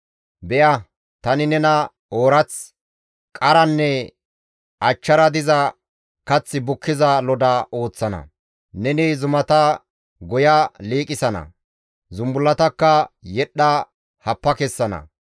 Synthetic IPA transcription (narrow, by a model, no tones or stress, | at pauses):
bɛʔɐ | t̪ɐnɪnɛnɐ | oːɾɐt͡s | kʼɐɾɐnːɛ | ʔɐt͡ʃːɐɾɐd̪ɪzɐ | kɐt͡sːɪbʊkːɪzɐlɔd̪ɐo̞ːt͡sːɐnɐ̰ | nɛnɪzʊmɐt̪ɐ | ɡɔjɐliːkʼɪsɐnɐ̰ | zʊmbʊlːɐt̪ɐkːɐjɛɗɐ | hɐpːɐkɛsːɐnɐ̰